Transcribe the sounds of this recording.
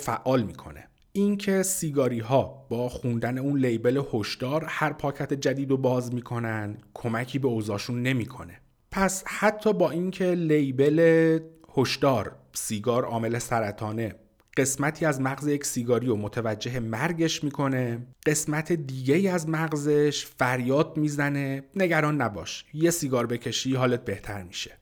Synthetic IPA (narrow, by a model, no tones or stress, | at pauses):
fæ̰ʔːɒːlmiːkʰo̞̰nḛ | incʰe̞siːɡɒːɾiːɦɒːb̥ɒːxund̪æne̞uːnlejbe̞lehoʃd̪̥ɒːɾhæɾpʰɒːcʰæt̪ʰe̞d͡ʒæd̪iːd̪o̞bɒːzmiːkʰo̞nænd̪kʰo̞mæcʰiːbe̞oːzɒːʃunːe̞miːkʰo̞̰ne̞ | pʰæshæt̪ʰːɒːbɒːincʰe̞lejbe̞le | hoʃd̪ɒːɾsiːɡɒːɾɒ̰ːme̞le̞sæɾæt̪ʰɒːne̞ | ɢ̥e̞smæt̪ʰiːæzmæɣzejecʰsiːɡɒːɾiːjomot̪ʰevæd͡ʒːe̞ɦemæɾɟe̞ʃmiːkʰo̞ne̞ɢ̥e̞smæt̪ʰed̪iːɟe̞iːæzmæɣze̞ʃfæɾjɒːd̪̚miːzæne̞ne̞ɟæɾɒːnːæbɒ̰ːʃje̞siːɡɒːɾbe̞cʰe̞ʃiːɦɒːlet̪̚be̞ht̪ʰæɾmiːʃe̥